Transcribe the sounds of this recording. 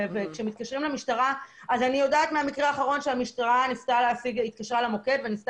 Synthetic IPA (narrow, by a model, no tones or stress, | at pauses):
vekʃemit̪̚kaʃʁimlemiʃtaʁaazanijo̞daːt̪meamikʁeaːχaʁo̞nʃeamiʃtaʁanift̪aleafiɡit̪̚kaʃʁalamo̞ke̞tvenift